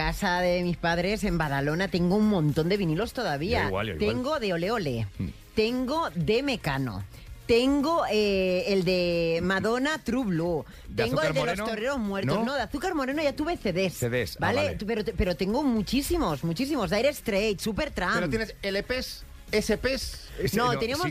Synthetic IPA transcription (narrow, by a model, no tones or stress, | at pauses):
kasaðemispaðɾe̞se̞mbaðalo̞nat̪eŋɡouŋmõnt̪o̞nd̪e̞βinilo̞st̪o̞ðaβiawa̰l̰t̪eŋɡo̞ðe̞o̞le̞o̞le̞ | t̪e̞ŋɡo̞ðe̞me̞kano̰ | t̪e̞ŋɡo̞eeld̪e̞maðo̞nat̪ɾuβlu | t̪eŋɡoeld̪eɾlost̪oɾeɾozmwe̞ɾnonoðeaθukaɾmo̞ɾe̞noʝat̪uβeθeðesðesbalepeɾotpe̞ɾo̞t̪eŋɡomut͡ʃisimo̞zmut͡ʃis̬imo̞zðajɾest̪ɾejt̪supe̞ɾt̪ɾamɾt̪eneselepes | esepesnot̪eniaamos